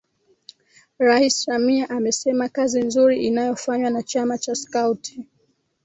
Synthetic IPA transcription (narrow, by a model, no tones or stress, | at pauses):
ɾaissamiaʔamɛsɛmakazinzuɾiʔinajɔfaɲwanat͡ʃamat͡ʃaskautʰi̥